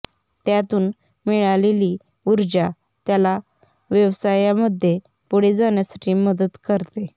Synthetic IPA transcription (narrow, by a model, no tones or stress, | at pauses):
t̪jat̪uːn | miɭaleliː | uɾd͡ʑa | t̪jala | ʋjəʋsajaməd̪ʱːje | puɽ̤ed͡zaɳjasḁʈʰiːməd̪ət̪kəɾt̪e